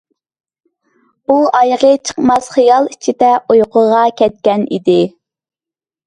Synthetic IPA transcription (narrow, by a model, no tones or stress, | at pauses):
uɑjʁət͡ʃʰə̥qmɑsχijɑlˠit͡ʃʰid̪ɛojqʰʊʁɑkʲɛt̪̚kʲɛnḭd̪ɪ